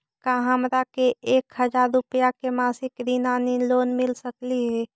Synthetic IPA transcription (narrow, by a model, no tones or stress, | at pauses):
kaɦəmɾakeeːkhəd͡ʒaːɾːʊpəjakemaːsɪkɾinaːniloːnmɪlsəkliɦɛː